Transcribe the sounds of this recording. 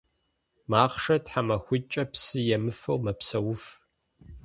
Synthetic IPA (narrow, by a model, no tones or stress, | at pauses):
maːχʂɐtħamɐxʷʊt͡ʃʼɐpsɨjɛmɨfɐwmɐpsɐwʊf